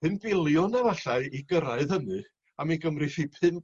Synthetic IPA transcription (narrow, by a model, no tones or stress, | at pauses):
pɨnb̥ɪlˠjɔnəvaɬaɨiɡəɾaɨðhənɨ | amiɡəmrɨθipʰɨn